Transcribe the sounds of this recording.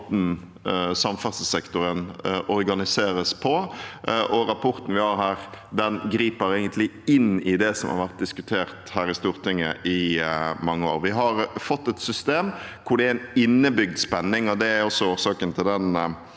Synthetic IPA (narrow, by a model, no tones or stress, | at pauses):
t̪n̩ | sɑmfɑsəsɛkt̪ʊɾənʔɔɾɡɑnɪseːɾəspʰɔ | ʔɔɾɑpʰɔɾt̪n̩ʋɪhɑɾɦæːʁd̪ɛnɡɾiːpəɾɛɪɡənt̪lɪɪnɪd̪ɛsɔ̰mhɑ̰ɾʋæɾt̪̚d̪ɪskʉt̪ʰeːʁt̪hæːɾɪst̪uːʁt̪ɪŋːə̰ʔɪmɑŋːəo̰ːɾʋɪɦɑɾfɔt̪ːɛt̪sʏst̪eːmkʰʊɖ̪ɛæɪnɪnːəbʏɡ̚d̪spɛnːɪŋɔd̪ɛæɾɔsːɔuːɾsɑːkənt̪ʰɪld̪ɛn